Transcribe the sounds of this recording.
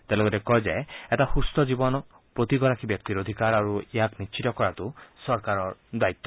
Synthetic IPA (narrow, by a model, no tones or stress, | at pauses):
t̪elɔɡɔɾekɔd͡ʒaeetahust̪ɔd͡ʒibɔnɔ | pɾot̪iɡɔɾakibjɔk̚t̪iɾod̪ʱikaɾaɾuiaknist͡ʃʰit̪ɔkɔɾat̪usɔɾkaɾɔd̪ait̪ːɔ̥